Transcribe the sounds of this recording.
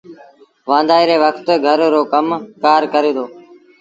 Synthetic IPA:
ʋãːnd̪ʱaːiːɾeːʋəkʰt̪ɡʱəɾːoːkəmkaːɾkəɾeːd̪oː

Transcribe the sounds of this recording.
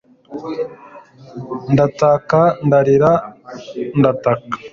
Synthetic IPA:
ndatakandaɾiɾa | ndatakḁ

